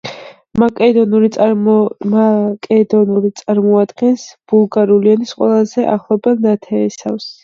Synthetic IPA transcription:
makʼɛd̪ɔnuɾi | akʼɛd̪ɔnuɾit̪sʼaɾmɔad̪ɡɛnsb̥ulˠɡaɾulianisqʼwɛlˠazɛʔa̰χlˠɔbɛlnat̪ʰɛːsafs

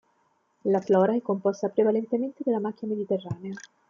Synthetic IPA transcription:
laflɔːɾaɛkːompɔst̪apɾevalent̪ement̪ed̪elːamakʲːiamed̪it̪erːaːnea

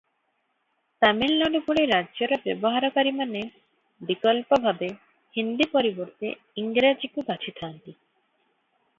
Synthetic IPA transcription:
t̪amilnɔnupuɽeɾadd͡ʑoɾabɛboɦaɾokaɾimane | bikɔlpobʱabe | hind̪ipoɾiboɾt̪e | iŋɡɾad͡ʑikubat͡ɕʰit̪ʰaːnt̪i

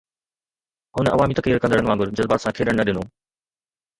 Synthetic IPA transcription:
ɦʊnɐ̰ʋaːmit̪ɐkɾiːɾkɐ̃nd̪əɽəɐnʋãːŋɡʊɾd͡ʑɐzbaːt̪sãːkʰeːɗəɽ̃nɐɗɪnoː

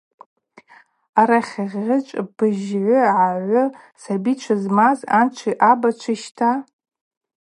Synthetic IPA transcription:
aɾaχʲaʁʲːɪt͡ʃʷʼb̥ɨʒʕʷʊʕaʕʷʊ | sabit͡ʃʷʰazmazant͡ʃʷʰiʔabat͡ʃʷʰɪʃtʰa

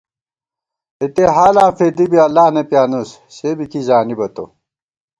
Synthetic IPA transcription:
et̪eɦaːlãːfeːd̪ibiɐlːaːnɐpjaːnus | ɕeːbikizaːnibɐt̪o̰

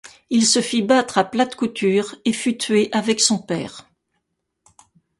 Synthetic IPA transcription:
ilsəfibat̪χaplat̪kut̪yːʁefyt̪ɥeʔavɛksɔ̃pɛ̰ːʁ

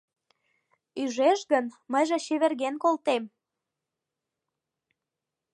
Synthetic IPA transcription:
yʒeʃɣənməjʒĕɕeβerɣenkolt̪em

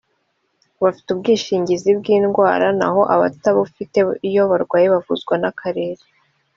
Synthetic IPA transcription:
βafi̥tub̚ɡiːʃiːɲɟizib̚ɡiːnɡwaːɾana̰ɦo̞ʔaβa̰taβufite̞ijo̞βaɾɡwaːjeβavṵzɡwanakʰaɾe̞ːɾe

